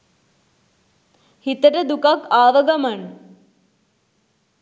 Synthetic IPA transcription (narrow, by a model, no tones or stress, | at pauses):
hit̪ɐʈɐd̪ukɐkaːʋɐɡɐmɐɳ